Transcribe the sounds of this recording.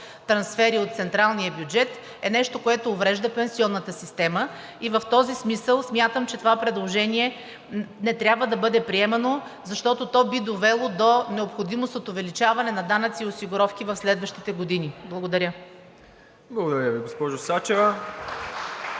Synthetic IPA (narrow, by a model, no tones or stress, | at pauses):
t̪ɾɐnsfɛɾiot̪t̪sɛnt̪ɾalˠnijəbjud͡ʒɛt̪ | ɛnɛʃt̪okoɛt̪oːvɾɛʒd̪əpɛnsiɔnːət̪əsist̪ɛmə | ivɐft̪ɔzismisəlˠsmʲjat̪əmt͡ʃɛt̪ovapɾɛd̪lˠoʒɛniɛ | nɛt̪ɾʲabvəd̪ɐbɤd̪ɛpɾiɛmɐno | zɐʃt̪ɔt̪ot̪ɔbid̪ovɛlˠod̪onɛopxod̪imost̪ot̪ʊvɛlit͡ʃavɐnɛnɐd̪anət̪siosiɡʊɾɔfk̟ivɐfslɛd̪vəʃt̪it̪ɛɡod̪iniblˠɐɡod̪ɐɾʲə | blˠɐɡod̪ɐɾʲəviɡospɔʒosat͡ʃɛvɐ